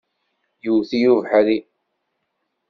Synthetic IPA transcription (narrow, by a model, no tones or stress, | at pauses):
juθijuvħaɾi